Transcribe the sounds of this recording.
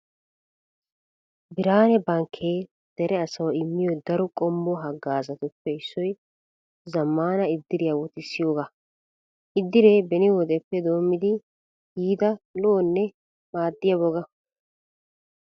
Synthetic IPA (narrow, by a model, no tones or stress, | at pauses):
bɪɾaːnɛbɐŋkʰːeː | d̪̥ɛɾɛɐsɐwɪmːɪjɔd̪ɐɾɔkʼɔmbɔɦɐɡːaːzɐt̪ʊpːɛɪsːɔj | zɐmːaːnɐɪd̪ːɪɾɪjɐwɔt̪ɪsːɪjoːɡa | ʔɪd̪ːɪɾe̞ːbɛnɪwɔd̪ɛpːɛd̪o̞ːmːɪd̪ɪ | hiːd̪ɐlɔːnːɛ | maːd̪ːɪjɐbɔɡɐ